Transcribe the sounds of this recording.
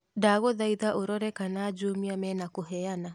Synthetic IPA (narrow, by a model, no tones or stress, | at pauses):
daɣoðaiðaʔoɾɔɾɛkanaːd͡ʒoːmiamɛːnakoɦɛana